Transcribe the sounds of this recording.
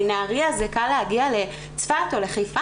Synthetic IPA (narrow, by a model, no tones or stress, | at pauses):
naːʁiazekalːehaɡiale̞ | t͡sfat̪o̞le̞χajfa